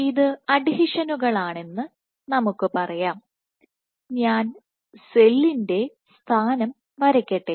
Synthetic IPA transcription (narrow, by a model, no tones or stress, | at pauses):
iðɨɐɖihiʂɐnuɣɐɭaːɳe̞nːɨ | nɐmukːɨpɐrɐjaːm | ɲaːn | se̞lːinde̞ | st̪ʰaːnɐm | ʋɐɾɐkʲːɐʈːe